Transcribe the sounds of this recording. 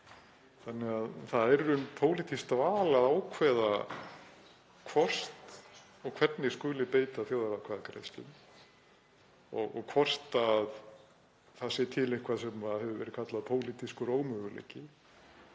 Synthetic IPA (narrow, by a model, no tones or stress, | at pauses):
θanːɛɣaðθaðɛɾʏmpʰoːwlit̪ʰist̪vaːlaðaːwkʰvɛːða | kʰvɔr̥st̪ | ɔɣkʰvɛt̪nɪskʏːlɪpeːjt̪aθjoːwðaɾawkʰvaðakɾḛjst̪lʏ̰m | ɔɣɔ̰ɣkʰvɔr̥t̪að | θasɛt̪ʰɪlehkʰvasɛmaðhɛvʏvɛ̰ɾɪ̥kʰat̪laðpʰoːwlit̪iskʏɾoːwmœɣʏlḛjcɪ